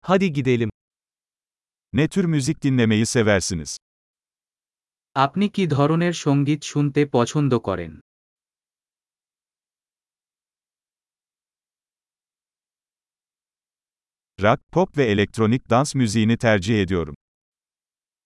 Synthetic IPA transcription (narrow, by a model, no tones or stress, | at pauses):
had̪iɡid̪elʲim | nɛt̪ʰyɾmʲyzik̚d̪inlʲe̞me̞jise̞væɾsiniz̥ | apnikid̪ʱɔɾoneɾʃoŋɡit̪ʃunt̪epɔt͡ʃʰond̪oko̰ɾḛn | ɾak̚pʰopvɛelʲek̚t̪ɾonic̚d̪ansmʲyzijinit̪ʰæɾd͡ʒihe̞d̪ijo̞ɾṵm